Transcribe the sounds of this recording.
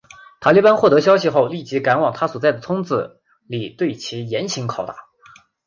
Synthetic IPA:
t̪ʰa˨˩li˥˩pa˥nxwɔ˥˩t̪ɤ˧˥ɕ̬jɑ˥ʊɕi˧xo˥˧ʊli˥˩t͡ɕi˧˥ka˧˥nwɑ˨˩ŋt̪ʰa˥swɔ˨˩t͡sa˥˩ɪd̪ə˩t͡sʰʊ˥ŋt͡sɹ̩˧˩ | li˨˩t̪we˥˩ɪt͡ɕʰi˧˥jɛ˧˥nɕʰi˧˥ŋkʰɑ˨˩ʊt̪a̰˥˩˦

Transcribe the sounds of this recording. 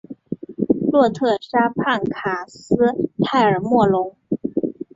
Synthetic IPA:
lwɔ˥˧t̪ʰɤ˥˩ʂa˥pʰa˥˩nkʰa˨˩sɹ̩˥t̪ʰa˥˩ɪə˞˨˩mwɔ˥˩lʊ˧˥ŋ

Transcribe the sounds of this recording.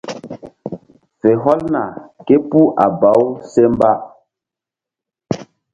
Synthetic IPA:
fe˨ɦɔ˦lna˨ke˦pu˦ʔa˨ba˨˦wse˦mba˦

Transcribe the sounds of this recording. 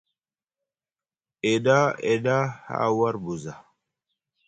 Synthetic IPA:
e˨ɗa˦e˨ɗa˦ha̰˦wa˦ɾbu˨za˨

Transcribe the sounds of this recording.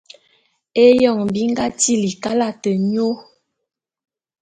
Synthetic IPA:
e˦jɔ˦˨ŋbi˦ŋ˦ɡa˦ti˦li˨ka˦la˦tə˨ɲo˦

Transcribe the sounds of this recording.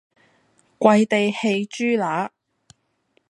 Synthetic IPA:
kʷɐ˧jt̪e˨jhe˧jt͡ʃyː˥laː˨˥

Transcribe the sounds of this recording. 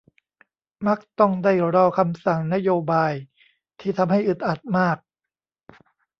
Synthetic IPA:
ma˦˥k̚t̪ɔ˥˩ŋda˥˩jɾɔː˧kʰa˧msa˨˩ŋna˦˥joː˧baː˧j | t̪ʰiː˥˩t̪ʰa˧mɦa˥˩jʔɯ˨˩t̪̚ʔa˨˩t̪̚maː˥˩k̚

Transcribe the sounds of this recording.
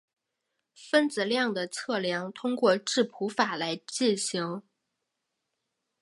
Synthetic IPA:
fə˥nd͡zɹ̩˨˩ljɑ˥˩ŋd̪ə˩t͡sʰɤ˥˩ljɑ˧˥ŋt̪ʰʊ˥ŋkwɔ˥˧ʈ͡ʂɻ̩˥˩pʰu˧˥fa˨˩la˧˥ɪt͡ɕi˥˩nɕi˧˥ŋ

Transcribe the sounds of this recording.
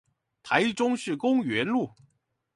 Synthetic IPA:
t̪ʰa˧˥ɪʈ͡ʂʊ˥ŋʂɻ̩˥˩kʊ˥ŋɥɛ˧˥nlu˥˩

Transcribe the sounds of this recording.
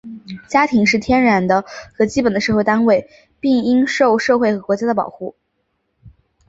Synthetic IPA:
t͡ɕja˥t̪ʰi˧˥ŋʂɻ̩˥˩t̪ʰjɛ˥nɻa˧˥nd̪ə˧xɤ˧˥t͡ɕi˥pə˨˩nd̪ə˦ʂɤ˥˧xe˥˩t̪a˥nwe˥˩ɪ | pi˥˩ŋi˥ŋʂo˥˧ʊʂɤ˥˧xwe˥˩ɪxɤ˧˥kwɔ˧˥t͡ɕja˥d̪ə˧pɑ̰˨˩ʊxu˥˩

